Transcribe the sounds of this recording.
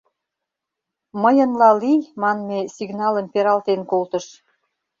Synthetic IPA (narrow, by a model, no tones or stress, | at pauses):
məjə̆nlɑlijmɑnmesiɡnɑlə̆mpeɾɑlt̪enkolt̪ə̆ʃ